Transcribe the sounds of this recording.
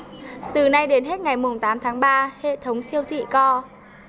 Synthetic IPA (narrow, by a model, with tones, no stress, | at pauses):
t̪ɨ˨˩na˧jɗe˨˦nɦe˦˥t̚ŋa˨˩jmʊ˨˩ŋ͡mt̪aː˨˦mt̪ʰaː˨˦ŋɓaː˧hḛ˧˨t̪ʰə˨˦wŋ͡msi˧əwt̪ʰḭ˧˨kɔ˧